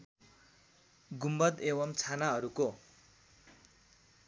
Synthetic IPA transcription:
ɡumbʌd̪eβʌmt͡sʰanaɦʌɾuko

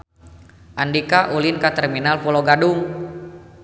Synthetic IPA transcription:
ʔandikaʔulinkat̪ɛrminalpɔlɔɡaduŋ

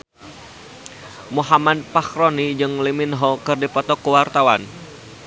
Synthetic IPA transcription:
muɦamad̪̚pakɾonid͡ʒɨŋliminɦɔkɨrdipɔt̪ɔkəwart̪awan

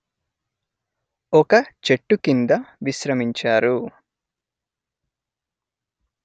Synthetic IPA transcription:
ɔkɐt͡ʃe̞ʈːukind̪ɐʋiʃɾɐmiɲt͡ʃaːɾu

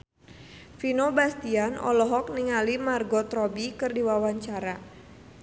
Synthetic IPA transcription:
finobast̪ianɔ̰lɔɦɔk̚niŋalimarɡɔt̪ɾɔbikɨrdiwawaɲt͡ʃaɾa

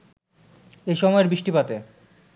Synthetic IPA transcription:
eʃɔmɔeɾbiʃʈipat̪e

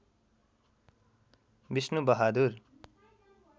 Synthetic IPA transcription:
bisnubʌɦad̪ur

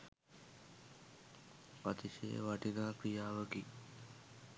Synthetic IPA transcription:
pat̪iʃḛʋaʈinaːkɾijaːʋəɡi

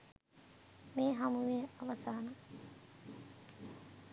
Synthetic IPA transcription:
miːɦamuʋeːɐʋɐsaːnɐ

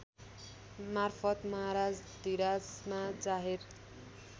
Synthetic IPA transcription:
marfʰʌt̪mʌɦaɾad͡zd̪iɾad͡zmad͡zaɦer

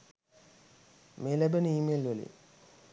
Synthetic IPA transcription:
meːlæbənəiːmelʋəlḭ

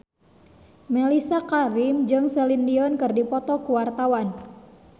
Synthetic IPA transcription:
mɛlisakaɾimd͡ʒɨŋsɛlindiɔnkɨrdipɔt̪ɔkuwart̪awan

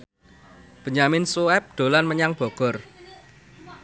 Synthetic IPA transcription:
b̥ə̤ɲamɪnsuɛp̚ɖ̪̥o̤lanməɲaŋb̥ɔ̤ɡ̥ɔ̤r

